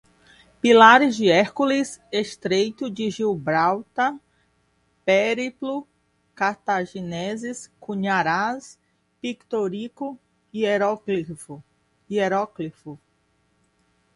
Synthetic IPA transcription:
pilaɾɪzd͡ʒɪɛɾkulɪseʃt̪ɾejt̪ʊd͡ʒɪʒiwbɾawt̪ɐ | peɾiplʊ | kaɾt̪aʒinɛzɪskuɲaɾas | pikt̪oɾikʊ | ieɾɔklif | ieɾɔklifʊ

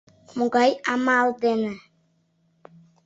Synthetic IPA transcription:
muɡajamald̪ena

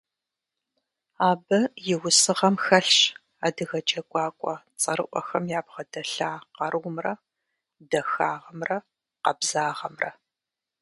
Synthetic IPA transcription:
aːbɐjɪwʊsɨʁɐmxɐɬɕ | aːdɨɣɐt͡ʃʼɐkʷʼɑːkʷʼɔt͡sʼɐɾɨʔʷɔ̰xɐmjaːbʁɐdɐɬaːqɐrʔwʷmrɐ | dɐxaːʁɐmrɐ | qɐbzaːʁɐmrɐ̰

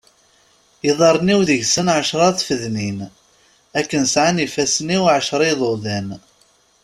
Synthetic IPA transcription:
iðˤɑɾˤniwðəʝsənʕəʃɾˤɑθfəðnin | ækːənsʕanifæsniwʕəʃɾˤiðˤoðæn

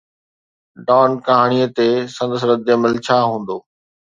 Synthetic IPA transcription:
ɖɔːnkɐɦaːɽ̃ijət̪esɐ̃nd̪əs̬ɾəd̪eməlt͡ɕʰaːɦũːn̆d̪oː

